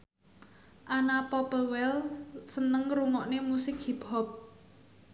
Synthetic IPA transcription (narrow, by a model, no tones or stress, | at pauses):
ʔanapɔpəlwɛlsənəŋɾuŋɔʔnemusɪkhib̥ɔp̚